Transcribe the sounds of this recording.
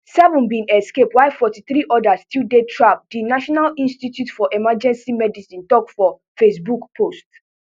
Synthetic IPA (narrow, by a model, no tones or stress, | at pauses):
sɛvɔ̃nbĩnɛskepwaɪfɔtiθɹiʔɔdastildetʰɹap̚dinaʃɔnalĩnstitjutfɔʔɛmad͡ʒɛ̃nsimɛdisĩntɔkfɔ | fesbukpʰost